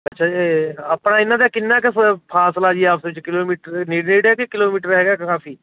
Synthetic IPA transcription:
ɐtːʃʰaɐpnaɪnːad̪akɪnːakespʰaːslaːd͡ʒiɛaːpsebt͡ʃkɪloːmiːʈəɾniːɖniːɖɦɛkekɪloːmiːʈəɾɦɛːɡakaːfʰiː

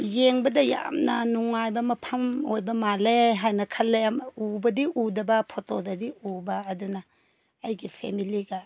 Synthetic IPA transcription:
jeŋbɐdɐja̰mnɐnuŋajbɐmɐpʰɐmojbɐmaleɦajnɐkʰɐlːemubɐdiʔudɐbɐpʰotodɐdiubɐːdunɐː | jɡipʰḛmiliɡɐ

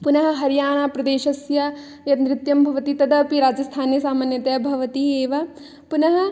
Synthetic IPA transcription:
punɐɦɐ̆ɦɐɾjaːɳ̃aːpɾɐd̪eːʃɐsjɐ | jɐt̪nɾɪt̪jɐmbʱɐʋɐt̪it̪ɐd̪ɐːpiɾaːd͡ʒɐst̪ʰaːnjɐsaːmaːnjɐt̪ɐjɐbʱɐʋɐt̪ieːʋɐ | punɐɦɐ̆

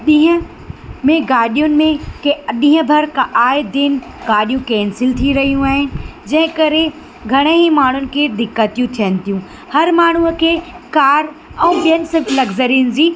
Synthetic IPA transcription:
ɗĩːɦə̃ | mẽɡaːɗijʊnɪ̆mẽkeɗĩːɦə̃bʱɐɾkaʔaːɪd̪ɪnɡaːɗijũkɛ̃ːnsɪlt̪ʰiɾɐɦijũaːɦɪnɪ̆d͡ʑɐ̃ɦɪ̃kɐɾe | ɡʱɐɽ̃əɦĩmaːɳ̤ʊnɪ̆kʰeːd̪ɪkːət̪ijũt̪ʰijɦənɪ̆t̪ijũ | hɐɾmaːɳ̤̃ukʰeːkaːɾɛ̃ːɓijənɪ̆sɪlɐɡzəɾiːnɪd͡ʑiː

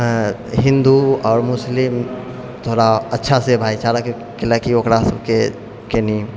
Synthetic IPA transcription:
ɦɪ̃nd̪uɔːɾmʊslim | t̪ʰoːɾaətːʃʰasebʱaːit͡ʃaɾak | kelakiokɾasəbke | keni

